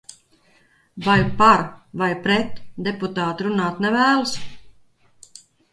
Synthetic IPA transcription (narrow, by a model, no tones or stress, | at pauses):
vajpaɾvajpɾɛt̪d̪eput̪aːt̪ɾunaːt̪nɛvæːlˠs